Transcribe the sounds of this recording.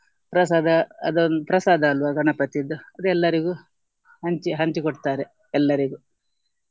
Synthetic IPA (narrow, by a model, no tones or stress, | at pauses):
pɾɐsaːd̪ɐɐ̰d̪ond̪upɾɐsaːd̪aːlʋaɡɐnɐpɐt̪id̪ːuɐd̪uɛlːɐɾiɡu | hɐɲt͡ʃiɦɐɲt͡ʃikoʈt̪aːɾe | ɛlːɐɾiɡu